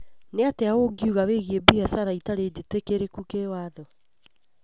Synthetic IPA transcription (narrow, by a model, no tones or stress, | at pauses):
neateawoɡiuɣaweɣiebihasaɾaitaɾed͡ʑetekeɾekukewaðɔ